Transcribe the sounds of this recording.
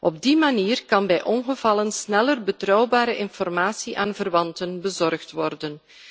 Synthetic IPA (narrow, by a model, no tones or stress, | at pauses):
ʔɔb̚dimaniːrkɑnbɛjʔɔnɣəvɑlənsnɛlərbətrɔwbaːɾəʔɪnfɔrmaːsiʔaːnvərʋɑntənbəzɔrχtʋɔrdən